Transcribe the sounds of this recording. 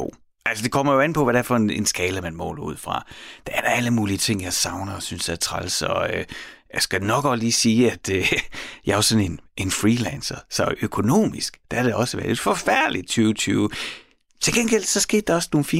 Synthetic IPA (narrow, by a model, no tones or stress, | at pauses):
o̰ | ʔælsəd̥e̝kʰɒ̽m̰ɐjo̝æn̩pʰɒ̽ʋæɾæɐfɒ̽enensɡ̥ɛːləmænmɔ̰lṵð̰ˠfʁɑ̈d̥ææɐɾ̥ɑæləmuːliət͡sʰe̝ŋ̰jɑ̈ɪsɑ̈ʊnɐɒsynsd̥ææɐt͡sʰʁɑ̰lsɒ̽øjɑsɡ̥æd̥nɒ̽ɡ̥ɒd̥liːsiːæd̥øjɑ̈ɪæɐsɒ̽ne̝nʔe̝nfʁiːlɛnsɐsɒ̽økʰo̝no̝̰ːmisɡ̥d̥ææɾ̥eɒ̽səʋæɐle̝d̥fɒfæɐ̰d̥lid̥̚t͡sʰyːʊt͡sʰyːʊ | t͡sʰe̝lɡ̥en̰ɡ̥el̰sɒ̽sɡ̥e̝̰ːd̥ːɑ̈ɒ̽sno̝ːn̩fiː